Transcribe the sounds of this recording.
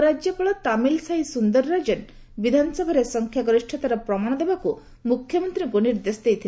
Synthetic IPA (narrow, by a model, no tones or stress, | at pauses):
ɾad͡ʒjɔpɔɭɔt̪amilsaisund̪ɔɾɾad͡ʒen | bid̪ʱanɔsɔbʱaɾesɔŋkʰjaɡɾiʃʈʰɔt̪aɾɔpɾɔmaɽ̃ɔd̪ebaku | mukʰjɔmɔnt̪ɾiŋkuniɾd̪esɔd̪ejt̪ʰil